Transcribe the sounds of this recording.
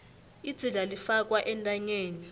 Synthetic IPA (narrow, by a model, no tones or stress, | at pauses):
id̥z̥ʱiɮalifak̬ʼwaʔɛntʼaɲeːni